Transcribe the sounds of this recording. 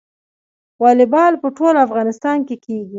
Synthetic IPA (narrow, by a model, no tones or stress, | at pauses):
wɑlɪbɑlpəʈolafɣɑnɪst̪ɑnkekʰeɡi